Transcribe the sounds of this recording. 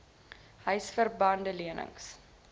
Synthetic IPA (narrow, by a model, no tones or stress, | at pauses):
hœɥsfərbɐndəliənʔə̰ŋs